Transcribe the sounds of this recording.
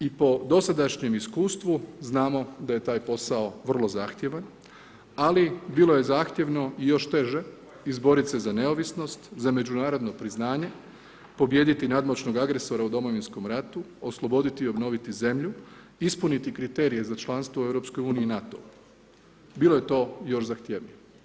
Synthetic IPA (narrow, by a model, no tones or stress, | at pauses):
ipo̞d̪o̞sad̪aʃɲe̞miskuːst̪ʋuznaːmo̞d̪aje̞t̪aːjpo̞sao̞ʋr̩lˠo̞zaːxt̪je̞ʋan | alibiːlˠo̞je̞zaːxt̪je̞ʋno̞ijo̞ʃt̪e̞ʒe̞ | izbo̞ɾit̪se̞zane̞oʋisno̞st̪zame̞d͡ʑunaːɾo̞d̪no̞pɾiznaːɲe̞ | po̞bje̞ːd̪it̪inad̪mot͡ʃno̞ɡaɡɾe̞so̞ɾaud̪o̞mo̞ʋinsko̞mɾat̪uoslˠo̞bo̞d̪it̪iːo̞bno̞ːʋit̪ize̞mʎu | ispunit̪ikɾit̪e̞ːɾije̞zat͡ʃlˠanst̪ʋoe̞vɾo̞pskojuːniiːnat̪o̞̰ | biːlˠo̞je̞t̪o̞ːjo̞ʃzaxt̪jeːʋne